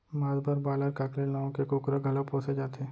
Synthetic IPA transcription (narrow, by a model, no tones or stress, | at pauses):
maːzbəɾbaːləɾkaːkɾenaːõkekʊkɾaɡʱɐləpoːsed͡ʒaːt̪e